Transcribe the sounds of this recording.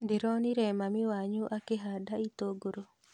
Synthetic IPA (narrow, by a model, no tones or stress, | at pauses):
ndɪɾɔniɾɛmamɪwaɲuʔakeɦadait̪oɡoɾo